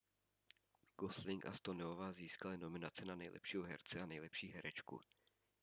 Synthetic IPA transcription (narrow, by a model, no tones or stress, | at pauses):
ɡ̥oslɪŋkʔa̰st̪o̞nɛovaːziːskalɪno̞mɪnat͡sɪnanɛjlʔɛ̰pʃiːɦoɦɛ̰ɾt͡sɛanɛjlɛpʃiːɦɛɾɛt͡ʃkṵ